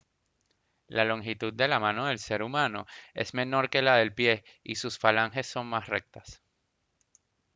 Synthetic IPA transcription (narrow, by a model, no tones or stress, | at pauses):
lalo̞ŋxit̪ud̪̚d̪e̞lamãno̞ðe̞lse̞ɾumãno̞̰e̞̰zme̞no̞ɾke̞laðe̞lpje̞ | isusfalaŋxe̞sːo̞ŋmasre̞k̚t̪as